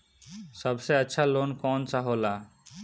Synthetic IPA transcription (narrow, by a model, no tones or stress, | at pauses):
sɔbseətːɕʰalonkɔnsaɦola